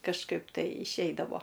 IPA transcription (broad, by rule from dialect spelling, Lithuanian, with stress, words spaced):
kɐʃˈkɐɪp tɐɪ ɪʃʲˈɛɪdɐʋoː